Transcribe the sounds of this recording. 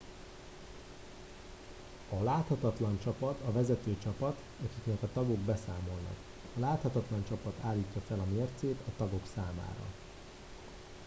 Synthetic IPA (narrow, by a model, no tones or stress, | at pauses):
ɒlaːt̪hɒt̪ɒt̪lɒnt͡ʃɒpɒt̪ɒvɛzɛt̪øːt͡ʃɒpɒt̪ | ɒkiknɛkɒt̪ɒɡo̞ɡbɛsaːmo̞lnɒ̰k | ɒlaːt̪hɒt̪ɒt̪lɒnt͡ʃɒpɒt̪aːlːiːcːɒfɛlɒmeːrt̪seːt̪ɒt̪ɒɡo̞ksaːma̰ːɾɒ̰